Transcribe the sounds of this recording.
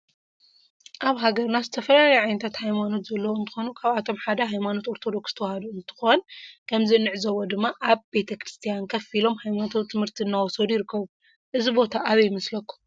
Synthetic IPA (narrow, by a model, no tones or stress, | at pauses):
ʔaβɦaɡɐɾnazɨt̪ʰɐfɐlalajɛʕajnɨt̪ʰat̪hajmano̞t̪zɐlːɐwɨnt̪ɨxo̞nukʰaβat̪ʰo̞mħad̪ɐɦajmano̞t̪o̞ɾt̪ʰo̞d̪o̞ksz̥t̪ʰɐwɐhɐd̪uɨnt̪ʰɨ̥xonkʰɐmzinɨʕzɐwːod̪ɨmːaʔaβbe̞t̪ʰɐkɾɨst̪ʰijankʰɐfilo̞mhajmant̪ʰot̪ʰːɨmhɨɾt̪ʰiɨnːawɔsod̪ujɪɾɨkːɐβu | ʔɨzibo̞t̪ʰaʔːβɐjmɐslɐkːu̥m